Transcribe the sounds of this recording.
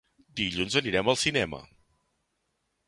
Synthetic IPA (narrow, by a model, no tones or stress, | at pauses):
d̪iʎunzəniɾɛməlˠsinɛmə̰